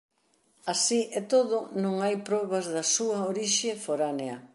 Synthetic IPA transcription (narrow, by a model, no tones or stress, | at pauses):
asiʔɛt̪oðʊnõŋajpɾɔβɐzðɐsuɐoɾiʃefoɾaneɐ